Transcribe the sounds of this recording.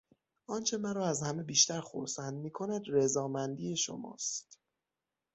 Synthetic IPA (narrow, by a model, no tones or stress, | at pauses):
ɒːnt͡ʃʰe̞mæɾɒːæzhæme̞biːʃt̪æɾxo̰ɾsænd̪̚miːkʰo̞næd̪rezɒːmænd̪iːje̞ʃo̰mɒ̰ːst̪